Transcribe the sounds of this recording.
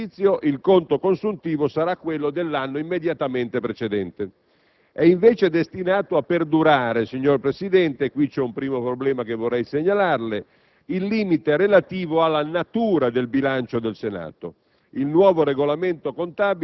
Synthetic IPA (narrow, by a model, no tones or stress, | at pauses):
it̪sːjoʔilkont̪okonsunt̪iːvosaɾakːwelːod̪elːanːoimːed̪jat̪ament̪epɾet͡ʃed̪ɛnt̪e | ɛiɱveːt͡ʃed̪est̪inaːt̪oapːerd̪uɾaːɾesiɲːorpɾesid̪ɛnt̪ekwit͡ʃɛumpɾiːmopɾoblɛːmakevorːɛjseɲːalarle | ilːiːmit̪eɾelat̪iːvoalːanat̪uːɾad̪elbilant͡ʃod̪elsena̰ːt̪o̰ | ilnwɔːvoɾeɡolament̪okont̪aːbi